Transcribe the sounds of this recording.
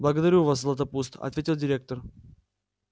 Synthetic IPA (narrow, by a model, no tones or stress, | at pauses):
blˠəɡəd̪ɐɾʲuvaszlˠɐt̪ɐpust̪ɐ̰t̪vʲetʲɪlˠdʲɪɾʲe̞k̚t̪ər